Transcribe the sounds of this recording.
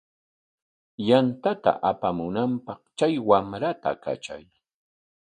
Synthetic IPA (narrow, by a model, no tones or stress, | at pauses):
jant̪at̪a̰ʔapamʊnampɑχt͡ʃajwamɾat̪a̰ka̰t͡ʃa̰j